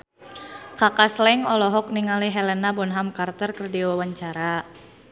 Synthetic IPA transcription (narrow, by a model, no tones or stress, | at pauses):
kakaslɛŋɔlɔɦɔk̚niŋaliɦɛlɛnabɔnɦamkart̪ərkərdiwawaɲt͡ʃaɾa